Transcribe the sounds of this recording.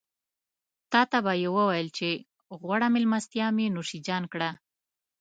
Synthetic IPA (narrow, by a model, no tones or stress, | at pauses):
t̪ɑt̪abajewəwajəlt͡ʃe | ɣwaɽamɪlmast̪jɑmenoʂid͡ʒɑnkɽa